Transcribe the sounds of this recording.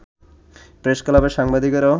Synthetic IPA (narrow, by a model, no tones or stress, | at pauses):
pɾeʃkɔlabeʃaŋbad̪ʱikɔɾɔ